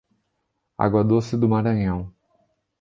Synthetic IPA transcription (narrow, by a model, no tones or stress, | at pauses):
a̰ɡwɐd̪osɪd̪ʊmaɾɐ̃ɲɐ̃w̃